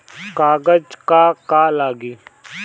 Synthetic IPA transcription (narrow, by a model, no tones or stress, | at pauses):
kaːɡəd͡ʒkaːkaːlaːɡiː